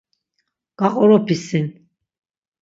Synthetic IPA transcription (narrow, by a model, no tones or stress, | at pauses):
ɡ̥aqʼɔɾɔpʰisin